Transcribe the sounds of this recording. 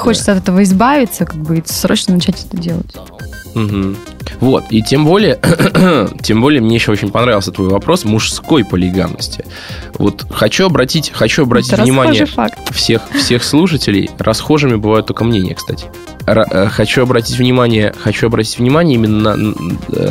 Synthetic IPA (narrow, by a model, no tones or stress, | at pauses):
xot͡ɕɪt̪səɐt̪ɛt̪əvəɪzbavʲɪt̪səkaɡ̚bɨsɾo̰t͡ɕnənɐt͡ɕætʲɛt̪ədʲelˠə̰tʲ | m̩ɦm̩ | vo̞t̪itʲe̞mbolʲɪjə | tʲe̞mbo̞lʲɪjəmnʲeɪɕːoot͡ɕɪ̃nʲpɐnɾavʲɪlˠsʲət̪vo̞jvɐpɾo̞smʊʂsko̞jpəlʲɪɡa̰nːə̰sʲtʲɪ̥ | vo̞̰t̪xɐt͡ɕuɐbɾɐtʲitʲxɐt͡ɕuɐbɾɐtʲittvnʲɪmanʲɪjəfaktt̪fsʲe̞xfsʲe̞xslˠuʂətʲɪlʲɪ̰jrʔɐsxo̞ʐɨmʲɪbɨvajʊt̪ːo̞lʲkəmnʲenʲɪ̰jəkst̪atʲɪ̥ | ɐəxɐt͡ɕuɐbɾɐtʲitʲvnʲɪmanʲɪjəxɐt͡ɕuɐbɾɐtʲi̥tʲvnʲɪmanʲɪəimʲɪnːənə̰